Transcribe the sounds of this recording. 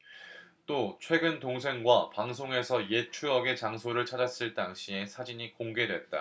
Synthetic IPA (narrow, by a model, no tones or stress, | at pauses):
t͈ot͡ɕʰwe̞ɡɯntoŋs̬ʰe̞ŋɡwapaŋs̬ʰoŋe̞sʰʌje̞t͡ɕʰuʌɡe̞t͡ɕaŋsʰoɾɯɭt͡ɕʰad͡ʑas͈ɯɭt͈aŋɕʰie̞sʰad͡ʑiɲikoŋɡe̞dwe̞t̚t͈a̰